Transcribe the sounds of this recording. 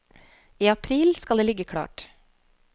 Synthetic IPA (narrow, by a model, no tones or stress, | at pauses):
iːɑpʰɾiːlskɑleːlɪɡəkʰɽɑ̰ːʈ